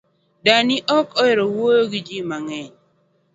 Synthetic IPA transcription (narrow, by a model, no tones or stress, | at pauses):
danɪʔɔkɔɛɾɔwojoɡɪd͡ʒimaŋɛɲ